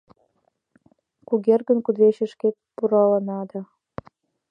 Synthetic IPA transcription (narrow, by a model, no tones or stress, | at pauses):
kuɣerɣə̆nkud̪veɕĕʃkek̚puɾɑlənɑd̪ɑ